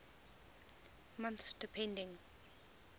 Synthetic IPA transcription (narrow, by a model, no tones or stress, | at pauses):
mãnθsd̥ipʰɛ̃ndɪ̃ŋ